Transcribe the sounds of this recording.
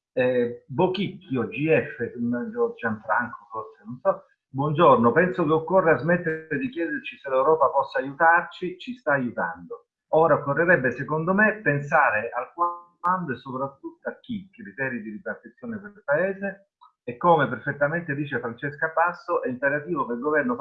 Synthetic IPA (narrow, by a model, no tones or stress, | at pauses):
ɛbokikːjod͡ʒiɛfːeund͡ʒod͡ʒaɱfɾaŋkoforsenonsɔ | bwɔnd͡ʒornopɛnsokeokːorːeazmet̪ːeɾed̪ikjɛːd̪ert͡ʃiselewɾɔːpapɔsːaːjut̪art͡ʃit͡ʃist̪aːjut̪a̰nd̪o | oːɾaokːorːeɾɛbːesekond̪omepːensaːɾealkwa | and̪oesːopɾat̪ːut̪ːoak̟ːikɾit̪ɛːɾid̪iɾibart̪it̪sːjoːnepeɾilpaeːzeː | kːomeperfet̪ːament̪ed̪iːt͡ʃeafɾant͡ʃeskapasːoʔɛimpeɾat̪iːvokeilɡovɛrno